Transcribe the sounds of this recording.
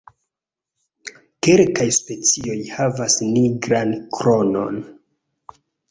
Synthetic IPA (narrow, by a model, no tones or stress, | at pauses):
kelkajspe̞t͡sio̞jhavasniɡɾankɾo̞no̞̰n